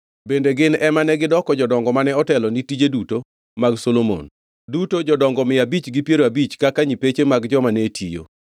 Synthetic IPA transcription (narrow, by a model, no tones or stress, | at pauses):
bendeɡɪnɛmanɛɡɪdɔkɔd͡ʒɔdɔŋɡɔmanɛɔtɛlɔnitid͡ʒeduto | maɡsolomo̰n | dutod͡ʒɔdɔŋɡɔmɪabit͡ʃɡipjeɾoabit͡ʃkakaɲipet͡ʃemaɡd͡ʒɔmanetʰḭjo̰